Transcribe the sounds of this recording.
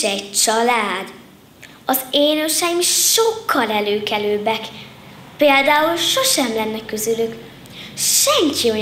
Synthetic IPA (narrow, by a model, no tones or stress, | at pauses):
ɛɟt͡ʃɒlaːd̪ | ɒzeːnøʃɛjimʃokʰːɒlɛløːkɛløːbɛk | peːld̪aːulʃo̞ʃɛmlɛnːɛkːøzylyk | ʃɛŋkio